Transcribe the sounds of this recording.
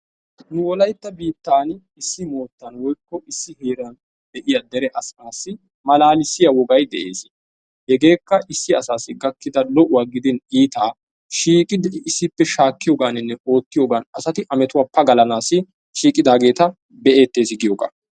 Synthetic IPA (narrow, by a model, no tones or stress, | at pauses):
nʊwɔlɐjt̪ːɐbiːt̪ːaːn | ɪsːɪmo̞ːt̪ːɐnwɔjkːɔʔɪsːɪhe̞ːɾɐn | d̪ɛʔɪjɐd̪ɛɾɛʔɐsmaːsːɪ | mɐlaːlɪsːɪjɐwɔɡɐjd̪ɛʔe̞̰ːsɪ | hɛɡe̞ːkːɐʔɪsːɪɐsaːsɪɡɐkːɪd̪ɐlɔʔʊwaɡɪd̪ɪniːt̪aː | ʃiːkʼɪd̪ɪɪsːɪpːɛʃaːkːɪjoːɡaːnɪnːɛʔo̞ːt̪ːɪjoːɡaːnɐsɐt̪ɪʔɐmɛt̪ʊwaːpɐɡɐlɐnaːsɪ | ʃiːkʼɪd̪aːɡe̞ːt̪ɐ | bɛʔe̞ːt̪ːe̞ːsɪɡɪjoːɡa̰ː